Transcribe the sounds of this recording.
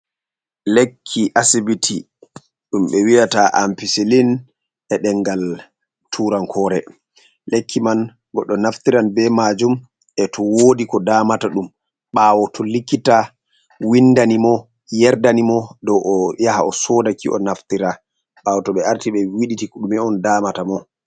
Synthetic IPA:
lekʰːiʔasibitʰi | ɗumɓɛwiataʔampiselin | ɛɗɛŋɡal | tʰuɾankʰɔːɾɛ | lekʰːiman | ɡɔɗːɔnaftiɾanbɛmad͡ʒum | ɛtʰɔwodikɔdaːmataɗum | ɓawɔtʰɔlikːita | windanimɔ | jɛɾdanimɔdɔwʔɔjahaɔsɔdakʰiʔɔ̰naftiɾa | ɓaːwɔtɔɓɛaɾtiɓɛwiɗitiɗumɛɔndaːmatamɔ

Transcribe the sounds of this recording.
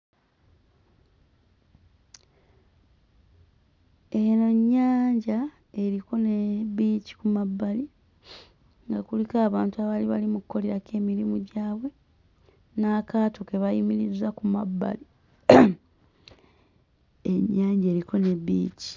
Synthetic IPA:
enoɲːaːɲɟa | e̞ɾiko̞neβiːci̥kumabːali | ŋɡakulikaːβaːntuaβaliβalimukukːo̞le̞ɾake̞ːmilimuɟaːβwe̞ | nakaːtokeβajimiɾizakumabːa̰li | eɲːaːɲɟae̞ːɾiko̞ne̞bḭːci̥

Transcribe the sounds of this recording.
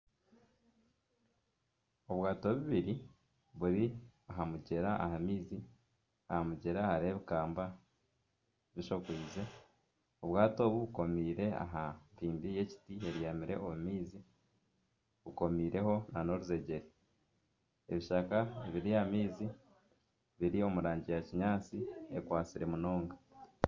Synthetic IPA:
o̞βwaːto̞βiβiɾi | βuɾiaɦamuɟe̞ɾaʔaɦamiːzi | ahamuɟe̞ɾahaɾeβikaːmba | βiʃo̞kwiːze | oβwaːto̞ːβuβuko̞miːɾe̞a̰ɦampiːmbije̞ci̥tie̞ɾijamiɾe̞̰ʔomumiːzi | βuko̞miːɾe̞ho̞nano̞ɾuze̞ɟe̞ɾe | e̞̰βiʃakaeβiɾijamiːzi | βiɾio̞muɾaːɲɟijaciɲaːt͡siḛkwaːt͡siɾe̞muno̞ːŋɡa

